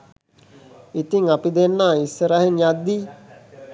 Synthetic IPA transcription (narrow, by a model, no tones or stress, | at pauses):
it̪iŋapid̪enːaːisːəɾaɦenjad̪ːiː